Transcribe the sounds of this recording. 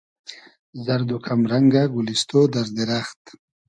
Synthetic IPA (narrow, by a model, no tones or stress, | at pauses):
zaɾd̪ukʰamɾaŋɡaɡulist̪od̪aɾd̪eɾaxt̪